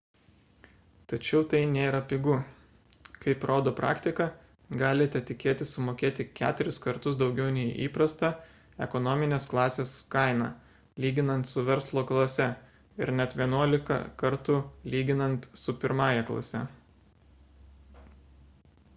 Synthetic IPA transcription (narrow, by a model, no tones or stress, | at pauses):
t̪ɐt͡ʃʲɛʊt̪ɐɪnʲeːɾɐpʲɪɡʊ | kɐɪpɾoːd̪oːpɾʔɑ̰ːkt̪ʲɪkɐ | ɡɑːlʲɪt̪ʲɛt̪ʲɪkʲeːt̪ʲɪsʊmoːkʲeːt̪ʲɪkʲæ̰ːt̪ʊɾʲɪskɐɾt̪ʊsd̪ɒʊɡʲɛʊnʲɛɪʔḭːpɾɐst̪ɐ | ɛ̰kɔnɔːmʲɪnʲeːsklˠɑːsʲeːskɐɪnɑ̰ː | lʲiːɡʲɪnɐnt̪sʊʋʲɛɾslˠoːklˠɐsʲɛ | ɪ̰ɾnʲɛt̪ʋʲiɛnuɔlʲɪkɐ̰kɐɾt̪ʊlʲiːɡʲɪnɐnt̪sʊpʲɪɾmɑːjɛklˠɐ̰sʲɛ